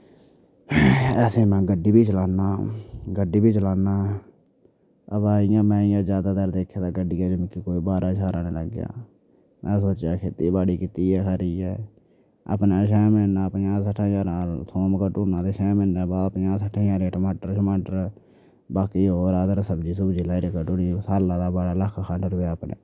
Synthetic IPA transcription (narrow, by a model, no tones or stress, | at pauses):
ɛːsẽːmɛ̃ːɡəɖiːbʱiːt͡ʃəlaːnaːɡəɖiːbʱiːt͡ʃəlaːnaː | əbaːɪjãːmɛ̃ːɪjãːd͡ʒjaːd̪aːd̪əːɾd̪eːkʰjaːt̪aːɡəɖiːɛːd͡ʒomɪkːiːkoːiːbaːɾãːt͡ʃʰaːɾãːnẽːləɡja̰ː | mɛ̃ːs̬oːt͡ʃjaːkʰeːt̪iːbaːɽiːkit̪iːɛːkʰəɾiːɛː | ə̰pnaːʃ̬ɛːmenaːəpnjãːs̬əʈʰːãːjaːɾaːt̪ʰoːmkəʈuːnãːt̪eːʃɛːmɪ̃nd̪aːbaːəpnjãːsəʈʰãːjaːɾeːʈəmaːʈəɾt͡ʃmaːʈəɾ | baːkiːɦoːɾaːd̪əɾsəbd͡ʒiːsəbd͡ʒilaːiɾeːkəʈuniːsaːlãːd̪aːbaːɽaːləkʰːkʰãʈɾʊeːəpnḛ̃ː